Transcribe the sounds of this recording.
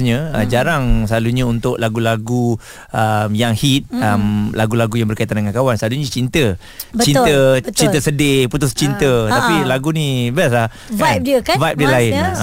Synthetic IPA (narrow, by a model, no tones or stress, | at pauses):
ɲəəd͡ʒaɾaŋsəlaluɲəunt̪ʊʔlaɡulaɡu | ʔəmjaŋhit̪̚əmlaɡulaɡujaŋbərkait̪andəŋankawansəlaluɲə̃t͡ʃint̪ə | bt͡ʃint̪ət͡ʃit̪əsədɪput̪ʊst͡ʃint̪ət̪apilaɡunibaslah | vap̚diəkavajp̚diəlaɪn